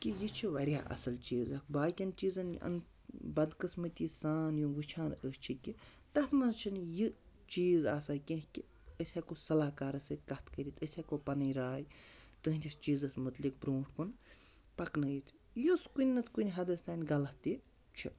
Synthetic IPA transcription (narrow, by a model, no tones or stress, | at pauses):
kʲijit͡ʃʰiʋɐɾʲja̰ːʔɐ̰sɐlt͡ʃiːzɐkbaːkʲɐnt͡ʃiːzɐnɐ̰n | bɐd̪kɨsmɨt̪ʲiːsaːnjunʋɨt͡ʃʰaːnəːst͡ʃʰikʲi | t̪ɐt̪ʰmɐnzt͡ʃʰinji | t͡ʃiːzaːsaːjkʲẽɦkʲi | əsʲakosɐlaːkaːɾɐsɨkɐt̪ʰkɐɾʲit̪ʰəsʲakopɐnɐjɾaːjt̪ɨɦnʲt̪ʰʲist͡ʃiːzɐsmut̪lik̚bɾoːʈʰkun | pɐknɐjit̪ʰ | juskunʲnɐt̪ʰkunʲiɦɐd̪ɐst̪aːnʲɡɐlɐt̪ːi | t͡ʃʰi